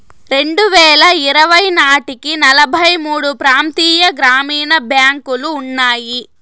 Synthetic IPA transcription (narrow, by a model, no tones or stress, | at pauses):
ɾe̞ɳɖuʋɛːɭɐiɾɐʋɐjnaːʈikinɐlɐbʱɐjmuːɽupɾaːnt̪iːjɐɡɾaːmiːnɐbʱjaːŋkuluːnːaːji